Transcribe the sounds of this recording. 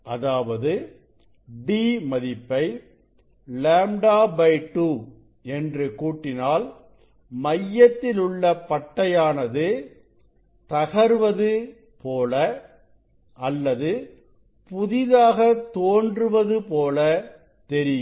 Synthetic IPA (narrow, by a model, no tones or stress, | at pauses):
ʔɐðaːʋɐðɯ | ɖiːmɐðɪpːɐɪ | laːmɖaːbɐɪʈːu | ɛndrɯkuːʈːɪnaːl | mɐjːɐt̪ːɪlʊɭːɐpɐʈːɐjaːnɐðɯ | t̪ɐɣɐɾʋɐðɯ | poːlɐ | ʔɐlːɐðɯ | pʊðɪðaːɣɐt̪oːndrɯʋɐðɯpoːlɐ | t̪ɛɾɪjɯ